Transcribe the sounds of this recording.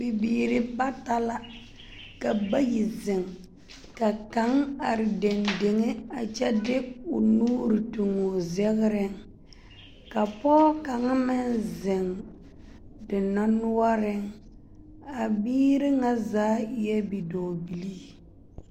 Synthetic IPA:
bɪ˨biː˨ɾɪ˦ba˦ta˦la˦ | ka˨ba˦ji˨zɪ˨ŋ | ka˨ka˨˦ŋa˨ɾɪ˨de˨nde˨ŋe˦a˨t͡ʃɛ˦dɪ˦ʊ˨nuː˦ɾɪ˨tu˨ŋʊ˨zɛ˦ɣɪ˦ɾɪ˦ŋ | ka˨pɔː˦ka˨ŋa˦mɪ˦nzɪ˨ŋ | dɪ˨na˦nʊ˦a˦ɾɪ˦ŋ | a˨biː˦ɾɪ˦ŋa˦zaː˨˦jɛ˦bi˨dɔː˨bi˨li˦

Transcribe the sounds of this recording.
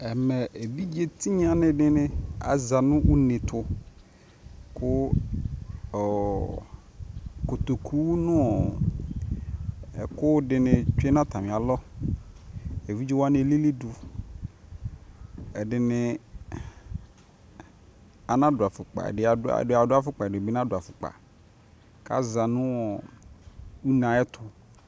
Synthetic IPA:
ɛ˨mɛ˨ʔe˨bi˦d͡ʒe˨t̪i˦ɲ˦a˨nɪ̃˦ɖɪ˦nɪ̃˦a̰˨za˨nʊ̃˦wʔʊ˦nẽ˨t̪ʰʊ˨ | kʰʊ˦ | ɔ˨ | ko˨t̪o˨kʰu˦nʊ̃˦ɔ˨ | kʊ˦dɪ˨nɪ̃˨t͡ʃᶣe˦nã˦t̪ʰa˨mɪ̃˨a˨lɔ˦ | e˨vi˦d͡ʒi˦wa˦ne˦˨li˦li˦dʊ˨ | ɛ˨ɖɪ˨nɪ˦ | a˨nã˦dʊ˨a˨fʊ˨k͡pa̰˨ɖɪ˨˦a˨˦a̰˨˦a˨dʊ˦a˦fʊ˦k͡pa˨ɛ˨ʊ˨be˦nã˦dʊ˨a˨fʊ˨k͡pa̰˨ | ka̰˦za˨nʊ̃˦wɔ˨ | u˦nã˨ɛ˦t̪ʰʊ˨

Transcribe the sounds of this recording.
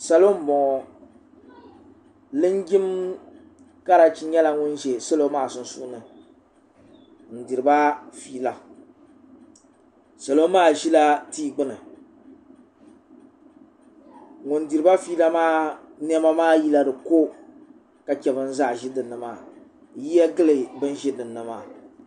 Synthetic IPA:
sa˨lo˦m̩˦bɔ˨ŋɔ˨ | lɨ˦ŋ˦ɡʲi˦m | ka˦ɾa˨t͡ʃi˦ɲɛ˦la˨ŋʊ˦n˦ʒe˨sa˦lo˦maː˦˨sʊ˦n˦sṵ˦nɨ˨ | n̩˨di˨ɾɨ˨ba˦fiː˦la˨ | sa˨lo˦maː˦˨ʒi˦la˦tiː˦ɡ͡bɨ˦nɨ˨ | ŋʊ˨n˦di˨ɾɨ˨ba˦fi˦la˦maː˦ | n˦ɛ˦ma˦maː˦˨ji˦la˦dɨ˨ko˦ | ka˨kʲɛ˨bɨ˦n̩˦zaː˦˨ʒɪ˦dɨ˨nːɨ˨maː˦˨ | ji˦ɛ˦ɡɨ˦lɨ˨bɨ˦n˦ʒi˦dɨ˨nːɨ˨maː˨

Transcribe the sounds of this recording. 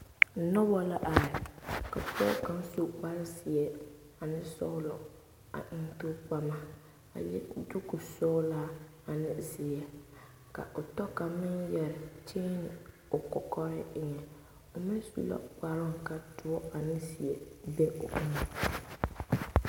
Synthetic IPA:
n̩˨˦nɔ˦bɔ˦la˦ʔa˨ɾɪ˨ka˨pʊ˦ɔ̰˦kã˦n˦so˦k͡pa˦ɾɪ˦sɪ˨ɛ˨ | a˨nɪ˦sɔ̰˦lʊ˨ | a̰˨ʔɪ˦n˦tʊ˦k͡pa˨ma˨ | a̰˨jɛ̰˦dʊ˦kʊ˨sɔ˦la˦ | a˨nɪ˦zɪ˨ɛ˨ | ka̰˨ʔʊ˨tɔ˦ka˨mɪ˦njɛ˨ɾɪ˨t͡ʃeː˦nɪ˨ | ʊ˨kɔ˨kɔ˦ɾɪ̰˦ɪ˦ŋɛ˨ | ʊ˨mɪ˦nsṵ˨la̰˦k͡pa˨ɾʊ˦ŋ˨ka˨tʊ˨ɔ˦a˨nɪ˦si˨ɛ˨be˦ʊ̰˨ʔɪ˦ŋɛ˨

